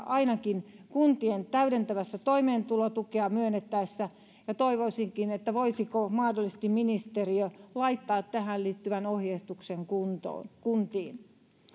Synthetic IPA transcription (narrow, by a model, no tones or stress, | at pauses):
ɑinɑkinkunt̪ient̪æyɾent̪æʋæsːæt̪oimeːnt̪ulot̪ukeɑmyønːet̪ːæisːæ | jɑt̪oiʋoisiŋkinet̪ːæʋoisikomɑːdolːise̥st̪imminist̪eriølɑit̪ːɑːt̪tæhælliːt̪ːyʋænohjest̪ukseŋkunt̪o̰ːkunt̪iːn